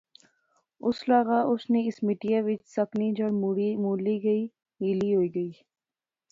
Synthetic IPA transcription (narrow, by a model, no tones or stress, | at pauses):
ʊslaːɣaːʔʊsneɪsmɪʈijaʋɪt͡ʃsɐknid͡ʒɐɽmuɽimuːliɡɐi | miːliɦoːiːɡɐiː